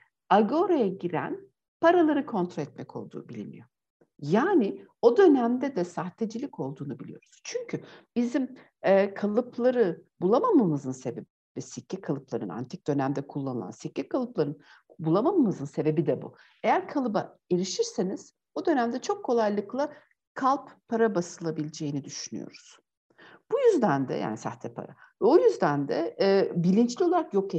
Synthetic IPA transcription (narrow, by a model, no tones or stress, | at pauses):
aɡo̞ɾajaɟiɾæ̰n | paɾalˠaɾɯkʰo̞nt̪ɾoɛt̪mɛcʰo̞̰lˠd̪ṵːbilʲimḭjo̞ | jaːnɪo̞d̪ø̞næmd̪ɛd̪ɛsaxt̪ʰed͡ʒilʲico̞lˠd̪uːnubilʲḭjoɾuz̥t͡ʃʰyɲcʰyb̥izim | ɛːkʰalˠɯplˠaɾɯbulˠamamamɯzɯnse̞be̞bibɛsicːɛkʰalˠɯplˠaɾɯ̰na̰nt̪ʰik̚d̪̥ø̞næmd̪ɛkʰulˠːanɯlˠa̰nsicːɛkʰalˠɯplˠaɾɯn | bulˠamamamɯzɯnse̞be̞bid̪ɛbṵ | e̞jæɾkʰalˠɯba̰eɾiʃiɾse̞niz̥ | od̪ø̞næmd̪ɛt͡ʃʰokʰːo̞lˠajlˠɯklˠa | kʰalˠppʰːaɾabasɯlˠabilʲed͡ʒe̞jinid̪yʃyny̰jo̞̰ɾuz̥ | b̥ujyzd̪ænd̪ɛ̰jʔa̰ːnisa̰ht̪ʰɛpʰa̰ɾa̰ | vɛojyzd̪ænd̪ɛbilʲint͡ʃlʲio̞lˠaɾakjo̞ke